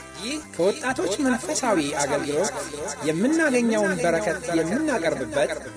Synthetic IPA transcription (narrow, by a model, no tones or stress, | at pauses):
kʰəwɔt̪ʼːat̪ʰo̞t͡ʃːmənfəsawiaɡəlɡɨlo̞t̪jɛmːɨnːaɡəɲːəwnbəɾəkʰət̪jɛmːɨnːakʼəɾbɨbːət̪